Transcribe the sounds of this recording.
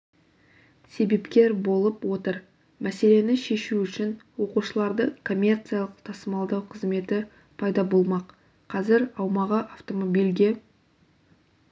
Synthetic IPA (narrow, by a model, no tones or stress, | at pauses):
se̞be̞pkʲe̞ɾbo̞lˠəpwo̞t̪əɾ | mæse̞le̞nɪʃe̞ʃuʏʃɪnwo̞quʃəlˠɑɾd̪əkʰo̞mʲːe̞rt̪sɨjalˠəqt̪ʰɑsəmɑlˠd̪ɑwqʰəzme̞t̪ɪ | pʰɑjd̪ɑbo̞lˠmɑq | qʰːɑzɪɾɑwmɑʁəʔaft̪o̞mo̞bijlʲɡʲe̞